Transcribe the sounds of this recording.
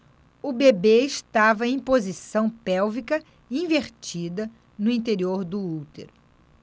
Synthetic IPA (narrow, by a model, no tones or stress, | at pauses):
ʊbebeɪʃt̪avɐẽj̃pozisɐ̃w̃pɛwvikɐ | ĩveɾt͡ʃid̪ɐ | nʊĩnt̪̬eɾioɾd̪ʊuwt̪ḛɾʊ